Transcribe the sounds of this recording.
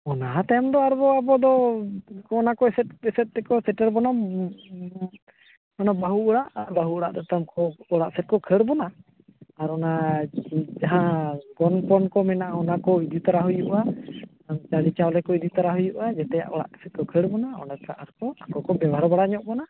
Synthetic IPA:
ɔnaɦat̪aamd̪ɔaɾbɔabɔd̪ɔ | ɔnakɔɛsɛt̪̚ɛsɛt̪̚t̪ɛkɔsɛʈɛɾbɔna | ɔnabaɦuʔɔɽaʔaɾbaɦuɔɽaʔd̪ɔt̪amkɔɔɽaʔsɛt̪̚kɔkʰəɽbɔnaː | ɾɔna | d͡ʒaɦãɡɔnpɔnkɔmɛnaʔaɔnakɔid̪it̪aɾaɦujuʔa | amt͡ʃaɽit͡ʃawlɛkɔid̪it̪aɾaɦujuʔad͡ʒɛt̪ɛja̰ʔɔɽa̰ʔsɛt̪̚kɔkʰəɽbɔnaɔ̰nak̪aʔaɾkɔakɔkɔbɛbaɾɔbaɽaɲɔʔbɔna

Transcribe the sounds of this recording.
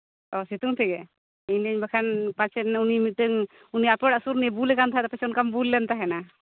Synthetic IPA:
ɔsit̪uŋt̪ʰiɡɛ | inɲbakʰanpat͡ʃʰɛnaunimiʈːəŋ | uniapɛɽaʔsuɾnibulɛkant̪aɦɛt̪apat͡ʃʰɔnkambulːɛnt̪aɦɛna

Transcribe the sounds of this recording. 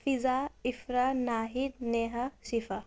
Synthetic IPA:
fʰizaifɾanaːɦitneɦɐsifɐ

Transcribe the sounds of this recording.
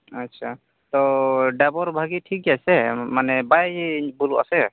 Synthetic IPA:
atːsʰa | t̪ɔɖabɔɾbʱaɡiʈʰik̚asɛmanɛbajibuluʔa̰sɛ

